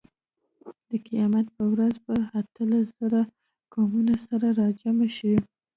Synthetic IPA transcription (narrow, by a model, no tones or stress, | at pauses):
d̪əqijɑmat̪̚pəwɾazbaat̪əlasz̥əɾa | ɡ̥ɑmunasaɾaɾɑd͡ʒamaʃi